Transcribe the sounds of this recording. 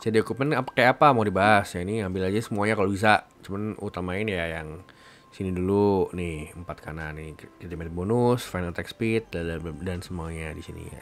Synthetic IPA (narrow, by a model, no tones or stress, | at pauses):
sadiokup̚mənapakajaapamadibaɦasjainiambɪlad͡ʒasəmuaɲakalobis̬at͡ʃumanut̪amaɪnjajaŋ | sinidulunɪhəmpat̪̚kananɪkit̪imet̪̚bonʊsfajnalt̪ɛkspit̪̚daddansəmuaɲadisinḭja̰